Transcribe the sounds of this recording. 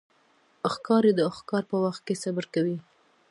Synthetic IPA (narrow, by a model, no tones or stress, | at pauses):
axkɑɾed̪əaxkɑɾpəwaxt̪̚kesabəɾkawi